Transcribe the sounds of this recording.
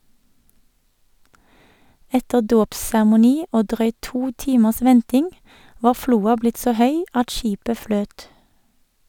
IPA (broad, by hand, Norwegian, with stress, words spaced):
ˈɛtə ˈdoːpsæʁmʊˌniː ˈoː ˈdʁœʏt ˈtuː ˈtiːməs ˈʋɛntɪŋ ˈʋɑː ˈfluːɑ ˈblɪt ˈsoː ˈhœʏ ˈɑt ˈʃiːpə ˈfløːt